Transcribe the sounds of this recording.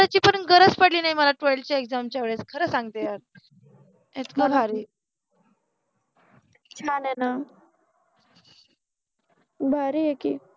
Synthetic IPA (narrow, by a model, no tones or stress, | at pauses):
at͡ɕiːpəɳɡəɾət͡spəɽliːnaiməlaʈojlt͡ɕaekd͡zamt͡ɕjaʋeɭet͡skʰəɾəːsãŋɡt̪ejaɾ | et̪kabʱaɾiː | t͡ɕʰanena | bʱaɾiekiː